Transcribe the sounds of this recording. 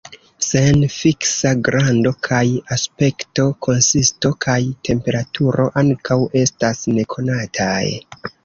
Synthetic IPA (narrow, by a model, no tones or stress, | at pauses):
se̞nfiksaɡɾando̞kʰajaspe̞kto̞kʰo̞nsisto̞kʰajtʰe̞mpe̞ɾatʰuɾo̞ʔaŋkawe̞stasne̞kʰo̞natʰaj